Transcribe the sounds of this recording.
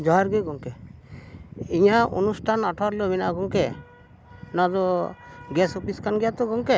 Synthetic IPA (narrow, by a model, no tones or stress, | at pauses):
d͡ʒɔɦaɾɡɔjɡɔŋkɛ | iɲaṵnusʈʰanaʈʰɔaɾlɔbɛna̰ɡɔŋkɛ | nad̪ɔɡɛsɔpiskanɡɛjat̪ɔɡɔŋkɛ